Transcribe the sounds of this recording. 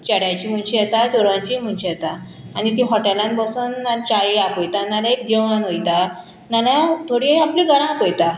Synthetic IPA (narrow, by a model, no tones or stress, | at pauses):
t͡ɕəɽjat͡ɕim̤əɳɕijɛt̪ad͡ʑoɾʋãɲt͡ɕim̤əɳɕijɛt̪a | anit̪ĩɦɔʈelãnbəsuːnːat͡ɕajeapojt̪analaekd̪eanojt̪a | naljat̪ʰoɽiiaplĩɡəɾãpojt̪a